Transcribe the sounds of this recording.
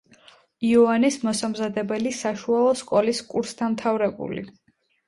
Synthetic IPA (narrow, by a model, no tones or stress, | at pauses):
iɔanismɔsamzad̪ɛbɛlisaʃualˠɔskʼɔliskʼuɾst̪ʰanmt̪ʰavɾɛbṵlḭ